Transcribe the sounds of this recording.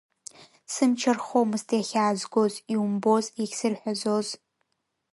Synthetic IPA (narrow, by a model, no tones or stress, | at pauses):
sɨmt͡ʃʰɐrχomɨstʰjaxʲaːzɡʷoziwumbozɛɡʲsɨrħʷɔzoz